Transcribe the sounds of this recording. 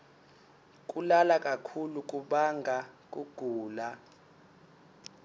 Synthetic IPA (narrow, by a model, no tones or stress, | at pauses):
k̬ʼulalakʼakʰuluk̬ʼuɓaŋɡʱak̬ʼuɡ̥ʱuːla